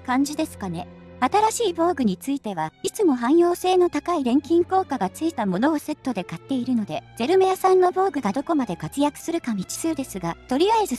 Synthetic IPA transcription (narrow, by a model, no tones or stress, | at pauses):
kãɲ̟d͡ʑid̪e̞sɨ̥kane̞at̪aɾaɕiːbo̞ːɡɯ̟ɲ̟it͡sɨit̪e̞βait͡sɨmo̞ɦãɰ̃jo̞ːse̞ːno̞t̪akaiɾẽ̞ŋkʲĩŋko̞ːkaɡat͡sɨit̪amo̞no̞ːse̞t̪ːo̞d̪e̞kat̪ːe̞iɾɯ̟no̞d̪e̞ze̞ɾɯ̟mejasãnːobo̞ːɡɯ̟ɡad̪oko̞mad̪e̞kat͡sɨjakɯ̟̥sɨɾɯ̟kamʲit͡ɕi̥sɨɯd̪e̞sɨɡat̪o̞ɾʲiaezɨ